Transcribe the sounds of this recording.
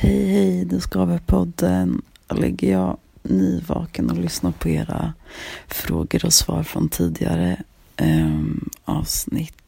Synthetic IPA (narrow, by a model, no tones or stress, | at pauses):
hɛjhɛjd̪ɵskɑːvəpʰɔd̪ːən | lɛɡːəjɑːniːvɑːkənɔlʏsnapʰɔeːɾa | fɾoːɡəɾɔsvɑːɾfɾɔnt̪ʰiːd̪ɪɡaɾə | ɑːvsnɪt̪